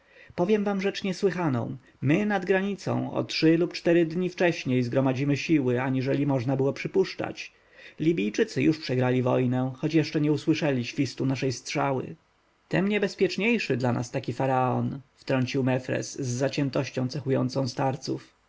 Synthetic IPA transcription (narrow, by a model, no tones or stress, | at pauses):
pɔvʲjɛmvamʐɛt͡ʂɲɛswɘxanɔ̰̃w̃ | mɘnad̪ɡɾaɲit̪sɔ̰̃w̃ɔ̰tʂɘlupt͡ʂt̪ɛɾɘd̪ɲift͡ʂɛɕɲejzɡɾɔmad͡ʑimɘɕiwɘaɲiʐɛlʲimɔʐnabɘwɔpʂɘpuʂt͡ʂa̰t͡ɕ | lʲibʲijt͡ʂɘt̪sɘjuʂpʂɛɡɾalʲivɔjnɛxɔt͡ɕjɛʂt͡ʂɛɲɛuswɘʂɛlʲiɕfʲist̪unaʂɛjst̪ʂawɘ̰ | t̪ɛmɲɛbɛspʲjɛt͡ʂɲejʂɘd̪lanʔa̰st̪akʲifaɾaɔ̰nft̪ɾɔɲt͡ɕiwmɛfɾɛ̰sːat͡ɕɛnt̪ɔɕt͡ɕɔ̃w̃tsɛxujɔ̰nt̪sɔ̃w̃st̪aɾt̪sṵf